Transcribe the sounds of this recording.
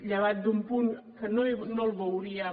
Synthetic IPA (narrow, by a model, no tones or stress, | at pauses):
ʎəβ̞at̪̚d̪umpunkənoinolˠβəwɾiə